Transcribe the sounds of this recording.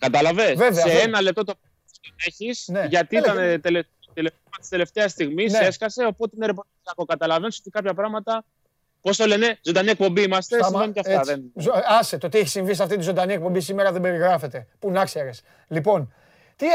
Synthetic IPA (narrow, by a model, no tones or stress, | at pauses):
kɐt̪ɐlɐvesveveeenɐle̞p̚t̪o̞t̪op | sot̪oneçisneʝɐt̪iit̪ɐnt̪ele | t̪elefmɐt̪i̥st̪ele̞ft̪e̞ɐst̪iɣmise̞skɐse̞o̞po̞t̪eineɾep̬oisiɐko̞kɐt̪ɐlɐvniso̞t̪ikɐpçɐpɾɐɣmɐt̪ɐ | po̞st̪ole̞ne̞zod̪ɐniek̚po̞mbiimɐst̪esimmenoc̪ɐftɐðenɐset̪ot̪ieçisiɱvis̬ɐft̪int̪izo̞nd̪ɐniek̚po̞mbisimeɾɐðembe̞ɾiɣɾɐfe̞t̪e̞punɐkseɾes | lipo̞n | t̪i